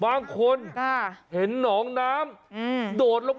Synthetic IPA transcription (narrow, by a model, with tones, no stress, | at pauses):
baː˧ŋkʰo˧nʰa˧˥˩he˩˦nːɔː˩˦ŋnaː˦˥mː˧doː˨˩t̪̚lo˦˧